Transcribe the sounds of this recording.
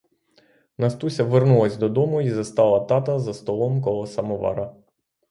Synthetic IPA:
nɐst̪usʲɐʋernulˠɐsʲd̪ɔd̪ɔmʊizɐst̪ɑlˠɐt̪ɑt̪ɐzɐst̪ɔlˠɔmkɔlˠɔsɐmɔʋɑ̰ɾɐ

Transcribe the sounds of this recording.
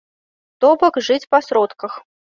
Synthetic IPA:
t̪ɔbɐkʐɨt͡sʲpɐsɾɔt̪kɐx

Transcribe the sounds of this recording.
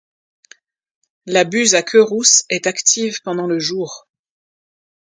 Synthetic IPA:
labyzakʲʰøʁusɛt̪akt̪ʰivpɑ̃d̪ɑ̃ləʒuːʁ

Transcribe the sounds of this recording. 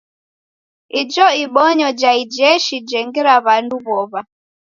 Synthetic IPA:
id͡ʒɔiɓɔɲɔd͡ʒaid͡ʒɛʃid͡ʒɛŋɡiɾaβanduβɔβa

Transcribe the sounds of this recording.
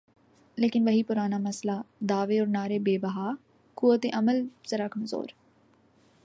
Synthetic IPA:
leːkɪnʋɐɦipʊɾaːnamɐslad̪aːʋeɔːɾnaːɾebeːbɐɦaː | kuːʋət̪eʔɐməlz̥ɐɾaːkɐmzo̰ːɾ

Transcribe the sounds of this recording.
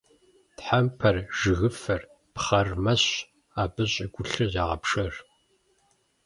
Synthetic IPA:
tħampʰɐrʒɨɣɨfɐr | pχɐrmɐɕ | aːbɨɕʼɪɡʷʊɬɨaːʁɐ̰pʂɐr

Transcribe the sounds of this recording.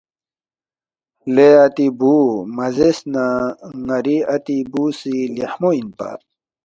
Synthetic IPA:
leɐt̪ibuːmɐzesnaŋɐɾiɐt̪ibusileħmoinpa̰

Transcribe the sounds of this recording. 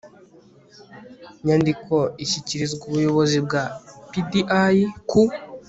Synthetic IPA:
ɲandiko̞içiciɾizɡuβujo̞βo̞zib̚ɡapidiʔaiku

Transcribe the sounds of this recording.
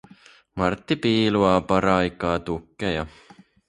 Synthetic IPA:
mɑrt̪ːipiːluɑpɑɾɑikːˑɑt̪ukːejɑ

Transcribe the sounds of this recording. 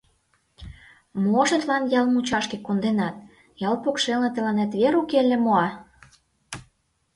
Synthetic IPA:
moʃə̆t̪lɑnjɑlmut͡ɕɑʃkĕkond̪enɑt̪̚ | jɑlpokʃelnĕt̪ə̆lɑnæt̪βeɾukelĕmoɑ

